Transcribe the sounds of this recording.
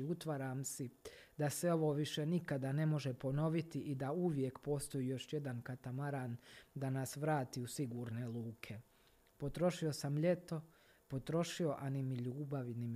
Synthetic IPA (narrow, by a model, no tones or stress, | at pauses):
ut̪ʋaɾaːmsid̪asʋe̞o̞ʋo̞ːʋiʃe̞nikad̪ane̞mo̞ʒepo̞no̞ʋit̪iʔid̪auʋje̞kpo̞ːst̪o̞jiːjo̞ʃjed̪ankat̪amaɾaːnd̪anasʋɾaːt̪iːusiɡuːɾne̞lˠuːkʰe̞ | po̞t̪ɾo̞ʃio̞samʎe̞t̪o̞ | po̞t̪ɾo̞ʃio̞ʔanimiʎuːbaʋnim